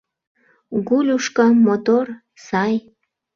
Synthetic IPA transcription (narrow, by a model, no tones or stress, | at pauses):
ɡulʲuʃkɤ̆mot̪or | sɑj